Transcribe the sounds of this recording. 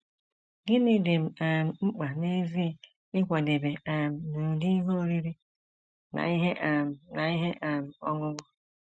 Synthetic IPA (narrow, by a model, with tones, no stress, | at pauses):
ɡɪ˦nɪ˦de˨m̩˨a˨m̩˨ŋ͡m̩˦k͡pa˨ne˦vi˦e˦˨ | ɪ˦kʷa˨de˨be˨a˨m̩˨nu˨di˦i˦ɦo˦˨ɾi˦ɾi˦ | na̰˨i˦ɦe˦ʔa˨m̩˨na˨i˦ɦe˦ʔa˨m̩˨ɔ˦ŋʊ˦ŋʊ˦